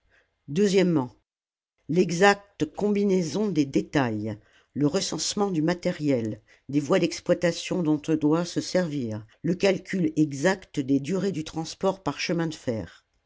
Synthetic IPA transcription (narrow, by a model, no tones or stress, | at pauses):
d̪øzjɛmːɑ̃ | lɛɡzak̚t̪kɔ̃binezɔ̃d̪ed̪et̪aj | ləʁəsɑ̃smɑ̃d̪ymat̪ɛʁjɛl | d̪evwad̪ɛksplwat̪asjɔ̃d̪ɔ̃t̪ɔ̃d̪wasəsɛʁviːʁ | ləkalkʲʰylɛɡzakt̪d̪ed̪yʁed̪yt̪χɑ̃spɔʁpaʁʃəmɛ̃d̪əfɛ̰ːʁ